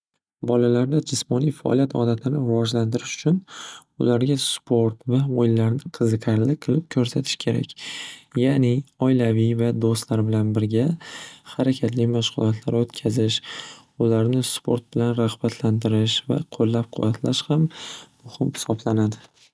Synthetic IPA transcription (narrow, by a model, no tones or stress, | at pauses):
bɒlalaɾd̪ad͡ʒɪsmɒnijfaʔɒ̰lˠijat̪ʰɒ̰d̪at̪ʰɪnɪɾɪvɒd͡ʒlant̪ʰɪɾɪʃʊ̥t͡ʃʰʊnʊ̰laɾɡʲaspʰo̞ɾt̪vaojɪlːaɾnɪqʰɨzɨqʰaɾlɪqʰɨlˠɪp̚kʲʰɵɾsat̪ʰɪ̥ʃkʲʰe̞ɾa̰kʲjanɪɒjlavivad̪ost̪laɾbɪlanbɪɾɡʲahaɾakʲʰat̪ʰlɪmaʃʁʊlˠɒt̪ʰlaɾot̪kʲʰazɪʃ | ʊlaɾnɪspʰo̞ɾt̪̚bɪlanɾahbat̪ʰlant̪ɪɾɪʃva̰qʰolːap̚qʰʊ̰vat̪ʰlaʃhamː | ʊhɪmhɪ̥sɒblanad̪ɪ